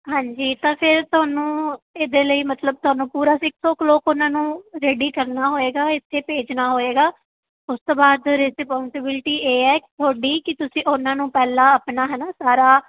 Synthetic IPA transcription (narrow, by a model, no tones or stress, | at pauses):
ɦãːɲd͡ʒiːt̪ãːpʰɪɾt̪ʊɦaːnũːeːd̪eːləiːmət̪ləb̚t̪ʊɦaːnũːpuːɾaːsɪksoːkloːkonãːnũːɾeːɖiːkəɾnaːɦoːeːɡaːɪt̪ʰːeːpeːd͡ʒnaːɦoːeːɡaː | ʊst̪oːbaːd̪ɾɪsɪpɔ̃ːnsɪbɪlʈiːʔeːɛːt̪ʰoːɖiːkɪt̪ʊsĩːʔʊnãːnũːpɛːlãːəpnaːɦɛːnaːsaːɾaː